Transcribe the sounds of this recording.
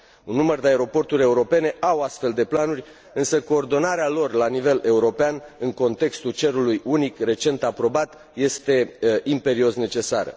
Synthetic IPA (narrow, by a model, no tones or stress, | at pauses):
unːumərd̪eaeɾo̞po̞rt̪uɾʲe̞uɾo̞pe̞ne̞ʔawast̪fe̞ld̪e̞planurʲ | ɨnsəko̞ːrd̪o̞naɾealo̞rlanive̞le̞uɾo̞peanɨŋko̞nt̪e̞kst̪ult͡ʃe̞ɾulujunikre̞t͡ʃe̞nt̪apɾo̞bat̪ | je̞st̪e̞impe̞ɾio̞sne̞t͡ʃe̞saɾə̰